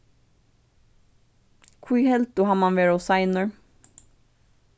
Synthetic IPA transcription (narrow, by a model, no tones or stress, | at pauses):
kʰwiːhɛlt̪ʊhɑːmɑnʋeːɹosɑɪnəɹ